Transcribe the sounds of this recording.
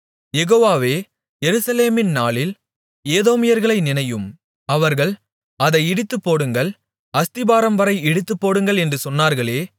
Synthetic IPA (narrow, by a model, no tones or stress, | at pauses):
jɛɣoːʋaːʋeː | jɛɾɯsɐleːmɪnnaːɭɪl | eːðoːmɪjɐɾɣɐɭɐɪnɪnɐjɯm | ɐʋɐɾɣɐɭ | ɐðɐɪɪɽɯt̪ːɯpːoːɽɯŋɡɐɭ | ɐst̪ɪbaːɾɐmʋɐɾɐɪɛɽɯt̪ːɯpːoːɽɯŋɡɐɭɛndrɯsɔnːaːɾɣɐɭeː